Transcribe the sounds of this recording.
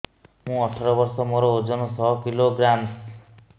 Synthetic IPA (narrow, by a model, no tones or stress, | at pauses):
mũɔʈʰɔɾɔbɔɾsɔmoɾɔod͡zɔnũsʰɔkiloɡɾams